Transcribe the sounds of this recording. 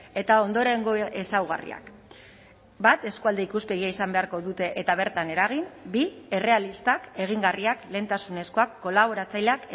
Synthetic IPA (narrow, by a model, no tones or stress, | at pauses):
e̞t̪ao̞nd̪o̞ɾe̞ŋɡoʔe̞sawɣ̞a̰rḭa̰k | bat̪e̞skuald̪e̞ikuspe̞ɣ̞iaisambe̞aɾko̞ðut̪e̞ʔet̪aβ̞e̞ɾt̪ane̞ɾaɣ̞imbie̞re̞alist̪ake̞ɣ̞iŋɡariakle̞nt̪asune̞sko̞akːo̞laβ̞o̞ɾat͡sajʎeak